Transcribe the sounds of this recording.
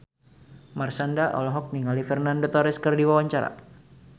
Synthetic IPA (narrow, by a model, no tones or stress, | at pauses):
marsandaʔɔ̰lɔɦɔk̚niŋalifɛrnandot̪ɔɾɛskərdiwawaɲt͡ʃaɾa̰